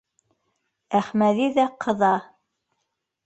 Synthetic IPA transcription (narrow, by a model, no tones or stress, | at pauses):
æχmæðiðæqʰɤ̆ðɑ